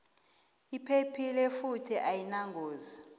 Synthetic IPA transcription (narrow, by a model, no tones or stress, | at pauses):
ipʰepʰilɛfutʰiʔajinaŋɡoːza